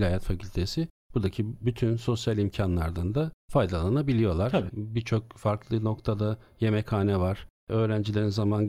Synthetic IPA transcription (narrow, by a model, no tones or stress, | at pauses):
lʲaːjat̪facʰylʲt̪ʰe̞sɪ | b̥uɾd̪acʰibyt̪ʰynso̞sjalʲimcʰanlˠaɾd̪and̪afajd̪alˠanabilʲijo̞lˠaɾbit͡ʃʰo̞k̚faɾklˠɯno̞kt̪ʰad̪aje̞mɛkʰhaːnɛvaɾ̥ | ø̞ːɾænd͡ʒilʲe̞ɾinzaman